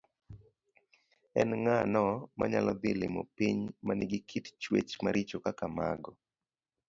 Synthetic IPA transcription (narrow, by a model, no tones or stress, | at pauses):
ɛnŋanɔma̰ɲalɔd̪ɪlɪmɔ̰piɲmanɪɡɪkʰitt͡ʃwḛt͡ʃmaɾʔɪt͡ʃokakama̰ɡɔ